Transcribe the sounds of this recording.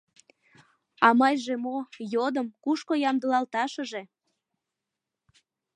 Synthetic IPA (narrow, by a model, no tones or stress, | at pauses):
ɑmɑjʒemojod̪əmkuʃkojɑmd̪əlɑlt̪ɑʃə̆ʒe̽